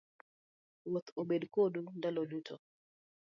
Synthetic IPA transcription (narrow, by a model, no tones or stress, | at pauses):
wɔt̪oɓeɗkoɗundalɔɗutʰɔ